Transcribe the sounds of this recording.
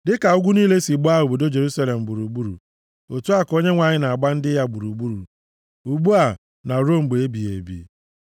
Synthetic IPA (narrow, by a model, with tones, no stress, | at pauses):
dɪ˦ka˨ʊ˦ɡʷu˦niː˦le˦si˨ɡ͡bʊ˦a˦ɦʊ˨bo˨do˦d͡ʒe˨ɾu˦sa˦le˨m̩˨ɡ͡bu˨ɾu˨ɡ͡bu˦ɾṵ˨ | o˨tu˦a˦ko˦ɲe˦ŋʷa˨ɲɪ˦na˨a˨ɡ͡ba˦n̩˦dɪ˦ja˦ɡ͡bu˨ɾu˨ɡ͡bu˦ɾṵ˨ | u˨ɡ͡bu˦a˨ | na˨ɾo˦˨m̩˨ɡ͡be˨e˦bi˨ḛ˨bḭ˨